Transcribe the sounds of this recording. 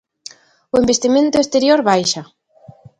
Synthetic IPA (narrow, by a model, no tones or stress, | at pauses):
ʊembest̪imẽnt̪ʊest̪eɾjoɾβajʃa